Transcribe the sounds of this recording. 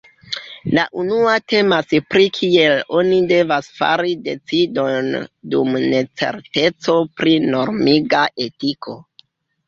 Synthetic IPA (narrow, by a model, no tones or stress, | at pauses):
laʔunuate̞maspɾikʰie̞lo̞nide̞vasfa̰ɾide̞t͡sido̞ndumne̞t͡se̞̰ɾte̞t͡so̞pɾino̞ɾmiɡaʔe̞tikʰo̞